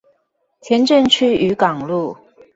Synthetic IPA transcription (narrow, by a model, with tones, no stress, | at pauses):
t̪ʰjɛ˧˥nʈ͡ʂə˥˧ŋt͡ɕʰy˥y˧˥kɑ˨˩ŋlu˥˩